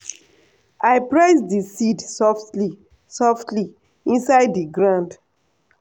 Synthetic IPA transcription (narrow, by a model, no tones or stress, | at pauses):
aɪpɹɛɪsdisidsɔftli | sɔftli | ĩnsaɪdːiɡɹãnd